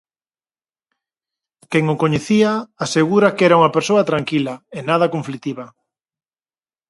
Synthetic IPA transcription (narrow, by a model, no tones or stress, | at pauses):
keŋʊkoɲeθiaaseɣuɾɐkɛɾauŋɐpeɾsoɐt̪ɾaŋkilɐenaðɐkoɱflit̪iβɐ